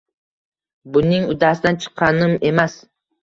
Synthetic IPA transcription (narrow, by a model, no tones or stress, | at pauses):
bʊnɪŋʊd̪asɪd̪ant͡ʃʰɨ̥qʰːɑnɪme̞mas